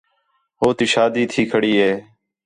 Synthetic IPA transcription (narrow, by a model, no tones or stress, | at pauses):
ɦoːt̪iːʃaːd̪iːt̪ʰiːkʰəɽiːɦeː